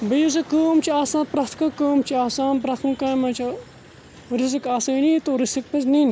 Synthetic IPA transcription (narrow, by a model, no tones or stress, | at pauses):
bɐjus̬ɐkoːmt͡ʃʰiaːsãːnpɾɐt̪kɐkoːmt͡ʃʰiaːsaːnpɾɐxunkãːmɐ̃t͡ʃʰɐ | ɾis̬ikaːsɐːniːt̪oɾisik̚pɐsnin